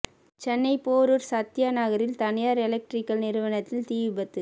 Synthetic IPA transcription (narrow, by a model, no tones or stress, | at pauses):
t͡ʃɛnːɐɪpoːɾɯɾsɐt̪ːjɐnɐɣɐɾɪlt̪ɐnɪjaːɾɛlɛk̚ʈɾɪkːɐlnɪɾɯʋɐnɐt̪ːɪlt̪iːʋɯbɐt̪ːɯ